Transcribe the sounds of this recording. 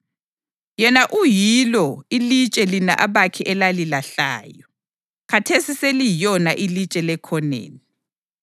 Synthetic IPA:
jɛnaʔujilɔilit͡ʃʼɛlinaʔaβakʰiʔɛlalilaɬa̰ːjɔ | kʰatʰesiselijɔnaʔilit͡ʃʼɛlɛkʰɔnḛːni

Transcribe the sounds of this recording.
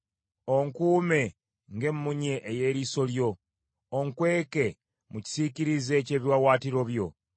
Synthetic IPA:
oŋkuːme̞ | ŋɡe̞mːuɲeʔːje̞ːɾiso̞ljo̞ː | ŋkwe̞ːke̞ | muci̥siciɾize̞ce̞ːβjwawaːtiɾo̞βjo̞

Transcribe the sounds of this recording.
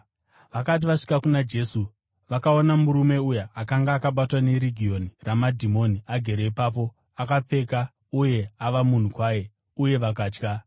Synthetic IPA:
ʋakat̬iʋaʂi̥kakunad͡ʒe̞su | ʋakao̞namuɾume̞ujaakaŋɡaːkaɓatwane̞ɾiɡʱio̞niramadʱimo̞niaɡʱe̞ɾe̞ipaːp̬o̞ | akap͡fe̞ːka | uje̞aʋamun̤ukwaːje̞ | uje̞ʋak̬aːt͡ʃka

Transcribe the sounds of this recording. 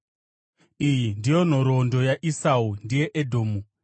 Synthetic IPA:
ijindijo̞n̤oɾondo̞jaʔisaundije̞ʔedʱoːmu

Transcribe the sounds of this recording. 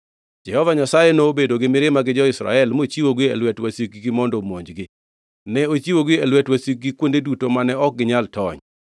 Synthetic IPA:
d͡ʒɛhɔvaɲasajenoːbedoɡɪmɪɾɪmaɡɪd͡ʒɔɪsɾa̰ɛlmot͡ʃiwoɡɪɛ̰lwɛtwasik̚ɡɡɪmɔndɔmoɲd͡ʒɡɪ | nɛot͡ʃiwoɡɪɛlwɛtwasik̚ɡikwondedutomanɛɔk̚ɡɪɲaltɔɲ

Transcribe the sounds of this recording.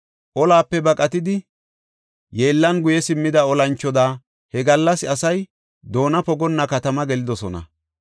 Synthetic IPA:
ʔɔlaːpːɛbɐkʼɐt̪ɪd̪ɪ | je̞ːlːɐnɡʊjɛsɪmːɪd̪ɐɔlɐnt͡ʃːɔd̪aː | hɛɡɐlːɐsɐsɐj | d̪o̞ːnɐpɔɡɔnːɐkɐt̪ɐmɐɡɛlɪd̪ɔsɔnɐ̰

